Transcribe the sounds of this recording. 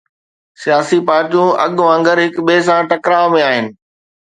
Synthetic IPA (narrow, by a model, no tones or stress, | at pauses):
sijaːsipaːɾʈijũɐ̰ɠʋãŋɡəɾɦɪkɓeːs̬ãʈɐkɾaːmẽaːɦɪnɪ̆